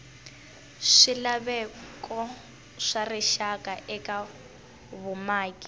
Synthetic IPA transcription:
ʂilaβɛkɔ | ʂariʃakaʔɛka | βʊmaːki

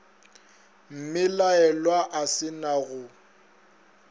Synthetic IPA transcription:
m̩mɪlaɛlwaʔasɪnaɣʊ

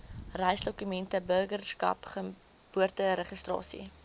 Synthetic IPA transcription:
rəjsdɔkymɛntəbərɡərskɐ̰pχə | b̥uərtəɾəχəstrɑ̰ːsḭ

